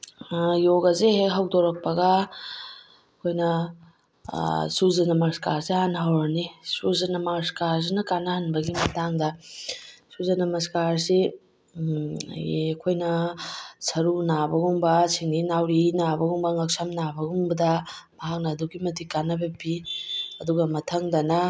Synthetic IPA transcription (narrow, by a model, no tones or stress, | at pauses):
joɡɐzeɦekɦɐwdoɾɐk̚pɐɡɐ | ɐkʰojnɐ | suzɐnɐmaskaɾsiɦanɦɐwɾɐnisuzɐnɐmaskaɾs̬inɐkanːɐhɐnbɐɡimɐtaŋdɐ | suzɐnɐmɐskaɾsi | ḛkʰojnɐ | sɐɾunabɐɡumbɐsiŋdinawɾinabɐɡuŋbɐŋɐksɐmnabɐɡumbɐdɐmɐɦak̚nɐːduɡimɐdikːanːɐbɐbiɐduɡɐmɐtʰɐŋdɐnɐ